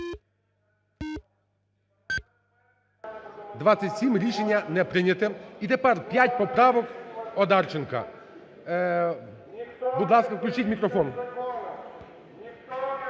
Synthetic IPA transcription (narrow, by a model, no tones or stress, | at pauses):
d̪ʋasʲɐtʲsʲimɾʲiʃenʲːɐnɛpɾɪnʲɐt̪ɪit̪ɛpɛɾpʲjatʲpɔpɾɑʋɔkɔd̪ɑrt͡ʃenkɐ̰ | bud̪lˠɑskɐwklʲʉt͡ʃitʲmʲikɾɔfɔn